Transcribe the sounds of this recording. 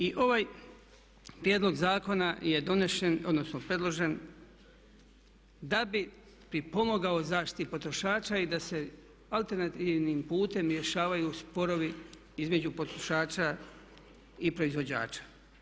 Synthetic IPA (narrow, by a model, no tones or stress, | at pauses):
iʔo̞ʋaj | pɾjeːd̪lo̞ɡzaːko̞naje̞d̪o̞neʃeno̞d̪no̞snopɾe̞d̪lˠo̞ʒe̞n | d̪abi | pɾipo̞moɡaozaːʃt̪i̥t̪ipo̞t̪ɾo̞ʃaːt͡ʃaid̪ase̞ | alˠt̪e̞ɾnat̪iːʋnimpuːt̪e̞mɾje̞ʃaːʋajuspo̞ɾo̞ʋi | izme̞d͡ʑupo̞t̪ɾoʃaːt͡ʃa | ipɾo̞izʋo̞d͡ʑa̰ːt͡ʃḁ